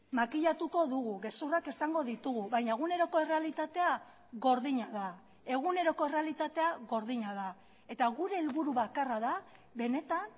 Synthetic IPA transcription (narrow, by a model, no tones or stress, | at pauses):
makiʎat̪uko̞ðuɣuɣe̞surake̞saŋɡo̞ðit̪uɣuβajɲaeɣune̞ɾo̞ko̞e̞re̞alit̪at̪e̞a | ɣo̞ɾðiɲaða | e̞ɣ̞une̞ɾo̞ko̞e̞re̞alit̪at̪e̞aɣo̞ɾðiɲaða | e̞t̪aɣuɾe̞ːlβuɾuβakaraða | βe̞ne̞t̪an